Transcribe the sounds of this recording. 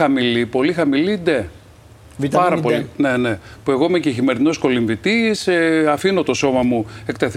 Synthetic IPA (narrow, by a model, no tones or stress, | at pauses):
ɐmilipo̞lixɐmilid̪e̞ | pɐɾɐpo̞line̞ne̞pue̞ɣoimeceçime̞ɾino̞sko̞liɱvit̪iseɐfino̞t̪o̞so̞mɐmuekt̪eθi